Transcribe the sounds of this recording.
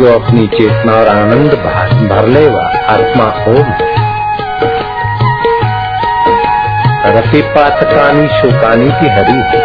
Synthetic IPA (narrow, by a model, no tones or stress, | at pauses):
oɐpnit͡ʃeːt̪naːɔɾaːnənd̪bʱa̰ːʃbʱɐɾleːʋa̰ːaːt̪maːoːm | ɐɾət̪eːpaːt̪kaːniːʃoːkaːniːt̪iɦɐɾiː